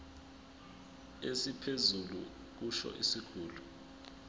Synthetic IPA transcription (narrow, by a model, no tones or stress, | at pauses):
esipʰezulṵ | k̬uʃɔ̰ʔḭsiɡ̥ʰʱuːlu